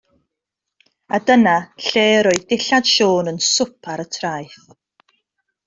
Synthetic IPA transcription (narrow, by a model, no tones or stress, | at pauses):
adənaɬeːɾoɨðdɪɬad̥ʃoːnənsʊpʰaɾətʰraːjθ